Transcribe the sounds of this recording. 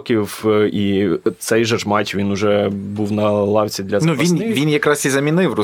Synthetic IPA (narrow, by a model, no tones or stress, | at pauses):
kʲiwit̪sɛjʒɛʒmɑtʲʋʲinʊʒɛbuwnɐlˠɑwʲt͡sʲid̪lʲɐznuʋʲinʋʲinjɐkɾɑsizɐmʲinɪwrʊ